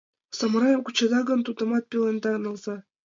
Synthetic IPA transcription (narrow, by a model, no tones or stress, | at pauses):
sɤ̆mɾɑjɤmkut͡ɕɤ̆d̪ɑɡɤ̆nt̪ud̪ɤ̆mɑt̪̚pʲelend̪ɑɤ̆nɤ̆lˠzɑ